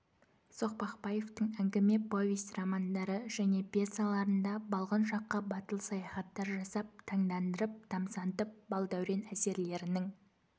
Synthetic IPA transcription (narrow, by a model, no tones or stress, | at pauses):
so̞q̚pɑqpɑje̞ft̪əɴæŋɡʲɪme̞po̞vʲist̪rɑmand̪ɑɾəʒæne̞pʰʲesalˠɑɾənd̪ɑbɑlˠʁənʃɑqːəbɑt̪əlˠsɑjɑχɑt̪ːɑɾʒɑsɑp̚t̪ʰɑɴd̪ɑnd̪əɾəp̚d̪̥ɑmsɑnt̪əp̚bɑlˠd̪æwɾe̞næse̞ɾle̞ɾɪnɪŋ